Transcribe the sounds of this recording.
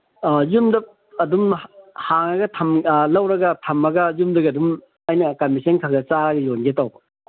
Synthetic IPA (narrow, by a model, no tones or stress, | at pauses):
jumdɐ | ɐdumhaŋɐɡɐtʰɐmlɐwɾɐɡɐtʰɐmːɐɡɐjumdɐɡɐdum | ajnɐkɐmisʰɐnkʰalɡɐt͡ʃaɾɐɡɐjonɡetawbɐ